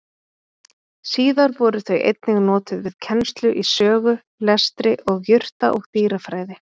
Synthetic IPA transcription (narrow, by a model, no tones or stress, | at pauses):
siːðaɾvɔːɾʏθœɥʔḛjt̪̚nɪɣnɔːt̪ʏðvɪðcʰɛnst̪lʏʔisœːɣʏ | lɛst̪ɾɪʔɔɣjʏr̥t̪a̰ʔɔɣt̪iːɾafɾaːjðɪ